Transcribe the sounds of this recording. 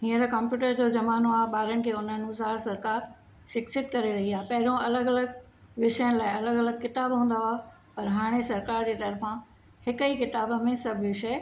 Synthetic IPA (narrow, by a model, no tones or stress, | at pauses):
ɦĩːə̃ɾkãːmpjuːʈəɾd͡ʑoːd͡ʑɐmaːnoaːɦɓaːɾənɪ̆kʰeːʊnənʊsaːɾsɐɾkaːɾ | ʃɪksɪt̪̚kɐɾeɾɐɦiaːɦepɐɦɪɾõʔɐləɡɐləɡ | ʋɪʃjənɪ̆laːɪɐləɡɐləɡ̚kɪt̪aːbɦũːnd̪aoa | pɐɾɦaːɽ̃esɐɾkaːɾd͡ʑeːt̪ɐɾfã | hɪkəikɪt̪aːbə̆mẽsɐbʱʋɪʃɐ